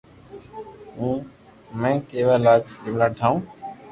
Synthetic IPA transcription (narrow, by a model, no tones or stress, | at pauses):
ũː | mẽːkeːʋaːlaːbɪmlaːʈʰãːũː